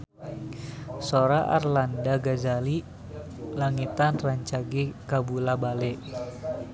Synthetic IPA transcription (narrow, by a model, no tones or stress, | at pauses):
soɾaʔa̰rlandaɡazali | laŋit̪anraɲt͡ʃaɡekabulabalɛʔ